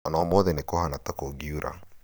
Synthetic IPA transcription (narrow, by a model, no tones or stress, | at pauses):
anɔmoðɛnekɔhanatakoɡiuɾʔa̰